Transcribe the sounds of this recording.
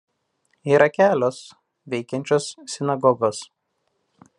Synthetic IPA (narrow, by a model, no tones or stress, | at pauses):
iːɾɐkʲæːlʲoːs | ʋʲɛɪkʲɛnʲt͡ʃʲoːssʲɪnɐɡɔɡoːs